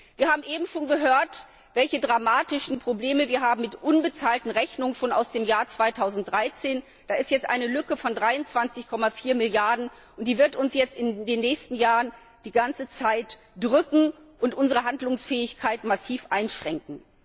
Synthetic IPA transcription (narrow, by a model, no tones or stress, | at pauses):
viːɐhaːbm̩ʔeːbm̩ʃoːnɡəɦøːɐt | v̥ɛlçədʁamaːtɪʃn̩pʁ̥obleːməviːɐɦaːbm̩mɪtʔʊnbət͡saːltn̩ʁɛçnʊŋənʃoːna̰ʊsd̥eːmjaːɐt͡sv̥aɪtʰaʊzn̩td̥ʁaɪt͡seːn | d̥aːɪstjɛt͡stʔaɪnəlʏkəfɔndʁaɪʊnt͡sv̥ant͡sɪçkʰɔmafiːɐmɪljaɐdn̩ | ʔʊnt̚d̥iːvɪɐtʊnsjɛt͡stɪndeːnːɛːçstn̩jaːʁən | d̥iːɡant͡sət͡saɪt | d̥ʁʏkŋ̩ | ʔʊntʔʊnzəʁəɦandlʊŋsfɛːɪçkʰaɪtmasiːfʔaɪnʃʁ̥ɛŋkŋ̩